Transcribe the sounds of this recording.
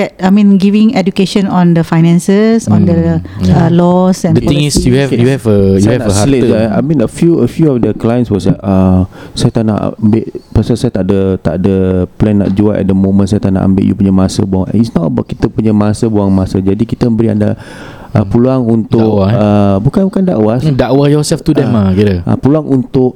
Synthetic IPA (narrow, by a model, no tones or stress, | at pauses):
ɛt̚amĩnɡivĩŋɛdukeʃə̃nɔ̃ndəfajnɛ̃nsəsɔ̃ndəalɔsɛ̃nd̃ŋisjuuɛvəjuaɛaleaa̰mĩnəfjuəfjuɔfdəklajə̃nswɔsaəsajat̪ana̰ʔmbɪʔpəsasajat̪aʔdət̪a̰ʔdəplɛnːa̰ʔ̚d͡ʒuaʔɛ̰ʔ̚dəmõmə̃nsajət̪aʔna̰ʔa̰mbɪ̰ʔjṵpuɲəmasə̰buaŋɛ̰nisnɔəbaʔki̥t̪əpuɲəmasəbuaŋmasəd͡ʒadikit̪əmbəɾia̰nda̰ | ʔəpuluaŋunt̪ʊakwaəbukanbukanda̰ʔwadaʔwajɔsɛlft̪udɛ̃makiɾəʔa̰puluaŋʔunt̪ʊʔ